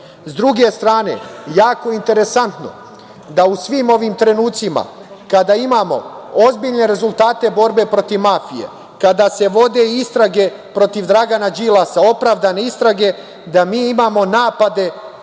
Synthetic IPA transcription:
zd̪ɾuɡe̞st̪ɾaːne̞̰jaːko̞int̪e̞ɾe̞sant̪no̞̰ | d̪ausʋiːmo̞ʋimt̪ɾe̞nuːt̪sima̰kad̪aimaːmo̞̰o̞zbiʎne̞ɾe̞zulˠt̪aːt̪e̞bo̞ɾbe̞pɾo̞t̪iʋmafije̞̰ | kad̪aːse̞ʋo̞d̪e̞ist̪ɾaɡe̞ | pɾo̞t̪iʋd̪ɾaɡanad͡ʒilˠasao̞pɾaːʋd̪ane̞ist̪ɾaɡe̞ | d̪amiːimaːmo̞naːpad̪e̞

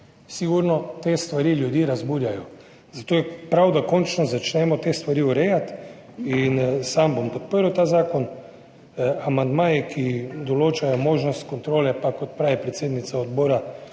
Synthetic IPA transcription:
siɡuɾnɔt̪est̪ʋaɾiljud̪jiːɾazbuːɾjajɔ | z̥at̪oːjɛpɾawd̪akɔnt͡ʃnɔzat͡ʃnɛmɔt̪eːst̪ʋaɾiuɾɛjat̪ | insambompɔt̪̚pəɾuwt̪aːzaːkɔn | amand̪maːjikʰid̪ɔloːt͡ʃajɔmoːʒnɔst̪kɔnt̪ɾoːlɛpakɔt̪̚pɾaːʋɛpɾɛt̪seːd̪nit̪saɔd̪boːɾa

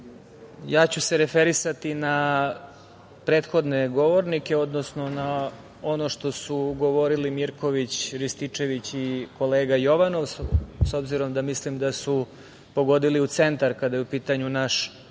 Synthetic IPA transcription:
jaːt͡ɕuseɾe̞feɾisat̪ina | pɾe̞ːt̪xo̞d̪ne̞ɡo̞ʋo̞ɾnikeo̞d̪nosno̞na | o̞noʂt̪o̞suɡo̞ʋo̞ɾilimiɾko̞ʋit͡ɕɾist̪it͡ʂe̞ʋit͡ɕiko̞le̞ːɡajo̞ʋano̞ʋsso̞bziɾo̞md̪amislimd̪asu | po̞ɡo̞d̪iliut̪se̞nt̪aɾkad̪ajeupiːt̪aɲunaʃ

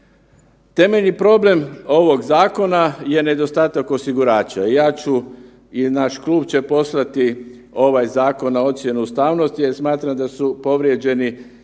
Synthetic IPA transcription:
t̪e̞me̞ʎnipɾo̞ble̞mo̞ʋo̞ɡzaːko̞naje̞ne̞d̪o̞st̪aːt̪ako̞siɡuɾaːt͡ʃaijaːt͡ɕu | inaʃklˠuːbt͡ɕe̞po̞slat̪i | o̞ʋajzaːko̞nao̞t̪sʲje̞nuust̪aːʋnost̪iesmaːt̪ɾamd̪asupo̞ʋɾje̞d͡ʒe̞ni

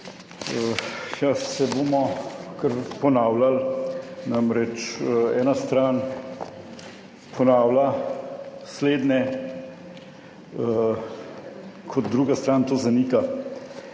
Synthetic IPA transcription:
əjasɛboːmɔkəɾpɔnaːwlalnamɾɛt͡ʃɛːnast̪ɾaːn | pʰɔnaːwla | sleːd̪nɛ | ə | kʰɔt̪̚d̪ɾuːɡast̪ɾaːnt̪oːzaniːka

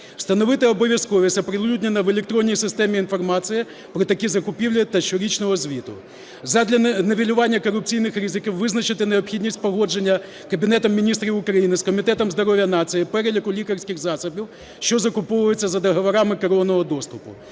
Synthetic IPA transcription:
w̥st̪ɐnɔʋɪt̪ɪɔbɔʋʲjɐskɔʋʲisɐpɾɪlˠlʲudʲnʲenɐʋelʲek̚t̪ɾɔnʲːijsɪst̪ɛmʲiinfɔrmɑsɨɪjɪ | pɾɔt̪ɐkʲizɐkʊpʲiwlʲɐt̪ɐt͡ʃɔɾʲit͡ʃnɔɦɔzʲʋʲit̪ʊ̰ | zɐd̪ʲlʲɐnɐʋʲilʲʊʋɑnʲːɐkɔɾʊp̚t͡sʲijnɪxɾizɪkʲiwʋɪznɐt͡ʃɪt̪ɪneɔpxʲidʲnʲisʲtʲpɔɦɔd͡ʒenʲːɐ | kɐbʲinɛt̪ɔmːʲinʲist̪ɾʲiʊkɾɐjinɪskɔmʲit̪ɛt̪ɔmzd̪ɔɾɔʋʲjɐnɑsɨjipɛɾelʲɐkʊlʲikɐrsʲkʲɪxzɑsɐbʲiw | ʃt͡ʃɔzɐkʊpɔʋʊjet͡sʲːɐzɐd̪ɐɦɐʋɐɾamɪkɐɾɔnɔɦɔd̪ɔst̪ʊpʊ̰

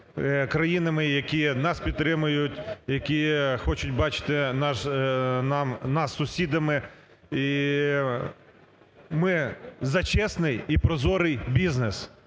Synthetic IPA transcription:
kɾɐjinɐmɪjɐkʲinɑspʲid̪t̪ːɾɪmʊjʊtʲjɐkʲixɔt͡ʃʊtʲbɑt͡ʃɪ̥t̪ɪnɑʃnɑmnɑsːʊsʲid̪ɐmɪ | i | mɪzɐt͡ʃɛsnɪjipɾɔzɔɾɪjbʲiznɪs

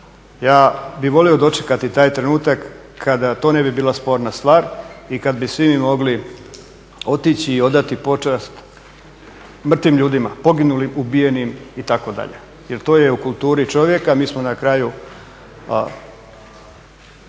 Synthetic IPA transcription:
jaːbiʋo̞lio̞d̪o̞t͡ʃe̥kat̪it̪aːjt̪ɾe̞nuːt̪ak | kʰːad̪at̪one̞bibiːlˠaspo̞ːɾnast̪ʋaːɾikad̪bisʋimimo̞ɡli | o̞t̪it͡ɕiːo̞d̪at̪ipo̞t͡ʃast̪ | mr̩t̪ʋimʎuːd̪imapo̞ɡinulimubije̞nimit̪ako̞d̪a̰ʎḛ | jeɾt̪o̞ːjeukulˠt̪uːɾit͡ʃo̞ʋje̞kamiːsmonakɾaju

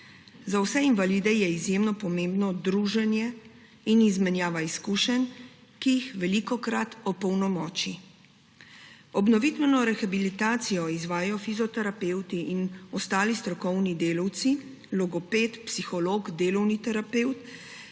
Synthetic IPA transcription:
zawsɛinʋaliːd̪ɛjɛizjemnɔpɔmẽːmbnɔd̪ɾuːʒɛnjɛ | inizmɛnjaːʋaiskuːʃɛn | kijixʋɛlikɔkɾat̪ɔpɔwnɔmɔːt͡ʃi | ɔbnɔʋit̪ʋɛnɔɾɛxabilit̪aːt̪sijɔizʋaːjajɔfizɔt̪ɛɾapeːwt̪iʔinɔst̪aːlist̪ɾɔkɔwnid̪eːlɔwt̪si | lɔɡɔpeːt̪psixɔloːɡd̪eːlɔwnit̪ɛɾapeːwt̪

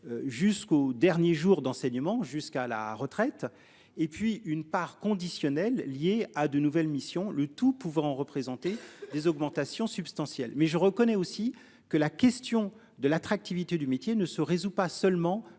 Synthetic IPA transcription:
ʒyskod̪ɛʁnjeʒuʁd̪ɑ̃sɛɲəmɑ̃ʒyskala̰ʁət̪χɛt̪ | epɥiynpaʁkɔ̃d̪isjɔnɛlːjead̪ənuvɛlmisjɔ̃lət̪upuvʁɑ̃ɑ̃ʁəpχezɑ̃t̪ed̪ezɔɡmɑ̃t̪asjɔ̃sybst̪ɑ̃sjɛlmɛʒəʁəkɔnɛosi | kəlakʲɛst̪jɔ̃ | d̪əlat̪χak̚t̪ivit̪ed̪ymet̪jenəsəʁezupasœlmɑ̃

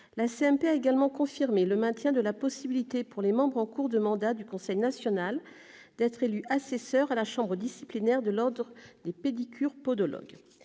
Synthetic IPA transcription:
laseɛmpeaeɡalmɑ̃kɔ̃fiʁmeləmɛ̃t̪jɛ̃d̪əlapɔsibilit̪epuʁlemɑ̃bʁɑ̃kuʁd̪əmɑ̃d̪ad̪ykɔ̃sɛjnasjɔnal | d̪̥ɛt̪χelyʔasesœʁalaʃɑ̃bʁəd̪isiplinɛʁd̪əlɔʁd̪ʁəd̪eped̪ikʲʰyʁpɔd̪ɔlɔ̰ɡ

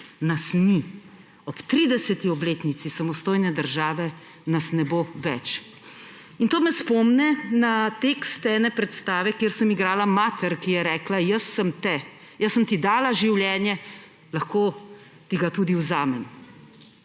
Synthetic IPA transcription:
nasni | ɔpt̪ɾiːd̪ɛsɛt̪iɔbleːt̪nit̪sisamɔst̪oːjnɛd̪əɾʒaːʋɛ | nasnɛboːʋɛt͡ʃ | int̪oːmɛspɔːmnɛnat̪ekst̪ɛnɛpɾɛt̪st̪aːʋɛkjeːɾsəmiɡɾaːlamaːt̪ɛɾkijɛɾɛːklajəsəmt̪ɛ | jəsːəmt̪id̪aːlaʒiwljɛːnjɛ | laxkoː | t̪iɡat̪uːd̪iwzaːmɛm

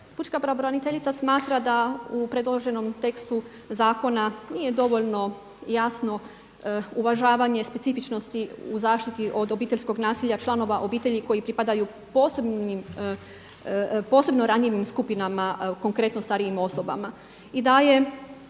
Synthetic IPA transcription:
put͡ʃkapɾaʋoɾanit̪e̞ʎit̪sasmaːt̪ɾad̪aupɾe̞d̪lˠo̞ʒe̞no̞mt̪e̞kst̪u | zaːko̞naniːje̞d̪o̞ʋo̞ʎno̞ | jasno̞ | uʋaʒaːʋaɲe̞spe̞t̪sifit͡ʃno̞st̪iuzaːʃt̪it̪iʔo̞d̪o̞biːt̪e̞ʎʲsko̞ɡnaːsiʎat͡ʃlˠano̞ʋaʔo̞biːt̪e̞ʎiko̞jipɾipad̪aju | po̞ːsebnim | po̞ːse̞bno̞ɾaɲeʋimskupinamako̞ŋkɾe̞t̪nost̪aɾijimo̞so̞ba̰ma | id̪aje̞

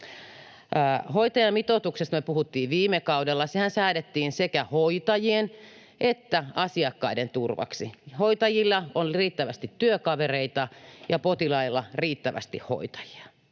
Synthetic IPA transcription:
hoit̪ɑjɑmit̪ot̪uksest̪møpuhut̪ːiːʋʋiːmːekɑudelːɑsehænsæːɾet̪ːiːnsekæhoit̪ɑjien | ʔet̪ːæɑsiɑkːɑident̪urʋɑ̰ksihoit̪ɑjilːɑonriːt̪ːæʋæst̪it̪ːyøkɑʋereit̪ɑjɑpot̪ilɑilːɑriːt̪ːæʋæ̰st̪ihho̰it̪ɑ̥ji̥ɑ̥

